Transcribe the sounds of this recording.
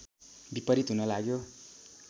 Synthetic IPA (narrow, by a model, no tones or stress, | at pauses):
bipʌɾit̪ɦunʌlaɡjo